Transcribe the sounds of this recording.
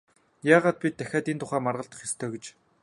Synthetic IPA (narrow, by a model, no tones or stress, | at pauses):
jaːʁaːt̪̚pʲit̪ːæxʲaːt̪ent̪ʰʊχæːmarʁə̆ɬt̪ə̆χjest̪ʰœːɡet͡ɕ